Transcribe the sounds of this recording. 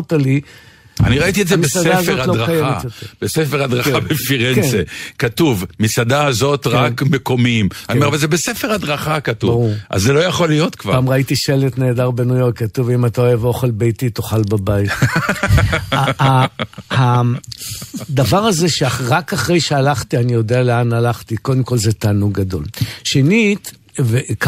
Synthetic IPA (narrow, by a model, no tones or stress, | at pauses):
tali | a̰niʁait̪ietzemesadaazeoaloʁaajeametjot̪eʁbesefeʁad̪ʁaχabefiʁenksnekatuvmisad̪aazo̞tʁakmeko̞mimanimeavalzebesefeʁad̪ʁaχakatubavʁuʁʔa̰zːelo̞jaχo̞lijo̞t̪kvapaːmʁait̪iʃelet̪ne̞ːdaʁbenujo̞ʁkːat̪uvimat̪aoevo̞χe̞lbejtit̪o̞χalbabajit̪ | haha | d̪avaʁhazeʃeaʁakaχʁe̞jʃealaχt̪ianijo̞dealeanalaχt̪iko̞d̪emko̞lzetaːnuɡːado̞̰lʃenit̪ | vek